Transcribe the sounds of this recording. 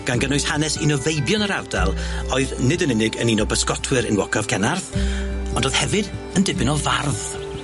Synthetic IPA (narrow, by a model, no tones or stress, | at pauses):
ɡ̥anɡənʊjshanɛsinɔvejbjɔnəɾardalˠɔɨðnɪdənɪnɪɡə̰ninɔbəskɔtʰwɨɾɪnwɔkʰav̥kʰɛnarθɔndoːð̥hɛvɨdəndɪbɪnɔvarð